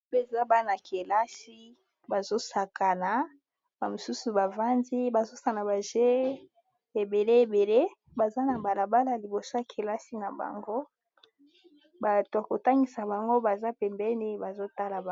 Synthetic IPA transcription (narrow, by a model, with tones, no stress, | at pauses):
be˦˨za˦ba˦na˨ke˨la˦si˦ | ba˨zo˦sa˨ka˨na˨ | ba˨mo˨su˦su˨ba˨va˦ndi˦ba˨zo˦sa˨na˨ba˨ʒe˦ | e˨be˨le˦e˨be˨le˦ | ba˨za˦na˨ba˨la˨ba˦la˨li˨bo˨so˦a˨kʰe˨la˦si˦na˨ba̰˨ŋɡo˦ | ba˨ta˨ko˨ta˦ŋɡi˨sa˨ba˨ŋɡo˦ba˨za˦pɛ˨mbɛ˦ni˦ba˨zo˦ta˦la˨